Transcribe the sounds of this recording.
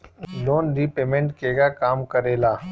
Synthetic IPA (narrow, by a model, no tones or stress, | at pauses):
loːnɾipeːmẽɳʈkeːɡakaːmkɐɾeːlaː